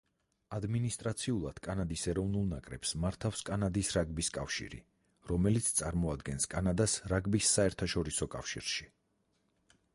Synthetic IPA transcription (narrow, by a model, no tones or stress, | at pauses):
ad̪minist̪ʼɾat̪sʰiulˠad̪̥kʼanad̪isɛɾɔvnulˠnakʼɾɛ̰psmaɾt̪ʰafskʼanad̪isɾaɡbiskʼafʃḭɾḭ | ɾɔmɛlit̪sʰt̪sʼaɾmɔad̪ɡɛnskʼanad̪asɾaɡbisːaɛɾt̪ʰaʃɔɾisɔkʼa̰fʃḭɾʃi